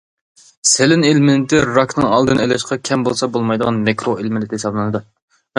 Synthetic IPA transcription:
selɪnelmɪnɪt̪ʰɪɾɑknɨŋɑlˠd̪ɨnɛlɛʃqɑkʲʰɛmbolˠsɑbolˠmɑjd̪əʁɑnmekɾoʔelmɪlɪt̪ɪhesɑblˠɨnɨd̪u

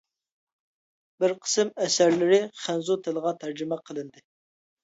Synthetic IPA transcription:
bɪɾqʰə̥sɨmɛsæɾlɪɾɪχænzut̪ʰɪləʁɑt̪ʰæɾd͡ʒɪmɛqʰəlˠɨnd̪ɨ

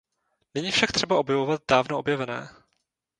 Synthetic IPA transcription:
nɛɲiːfʃak̚t̪r̝̥ɛbaʔo̞bjɛvovat̪̚daːvnoobjɛvɛnɛ̰ː

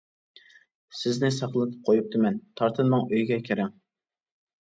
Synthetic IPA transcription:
sɪznɪsɑχlˠɨt̪ʰɨ̥p̚qʰojup̚t̪ɨmɛnt̪ʰɑɾt̪ʰɨnmɑŋøjɡʲɛkʲʰeɾɪŋ

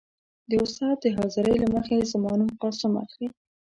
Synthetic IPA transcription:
d̪əʊst̪ɑt̪̚d̪əɦɑzɪɾəjlaməxezamɑnumqɑsəma̰xɾi

